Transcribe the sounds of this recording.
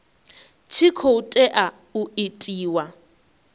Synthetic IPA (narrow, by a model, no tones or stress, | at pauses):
t͡ʃʰikʰoutʼɛʔa | uetʼiːwa